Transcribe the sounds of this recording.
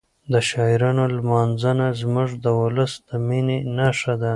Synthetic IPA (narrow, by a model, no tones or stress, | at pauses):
d̪əʃɑjɾɑnolmɑnzanazmʊʐd̪əwʊləsd̪əminenaʂad̪a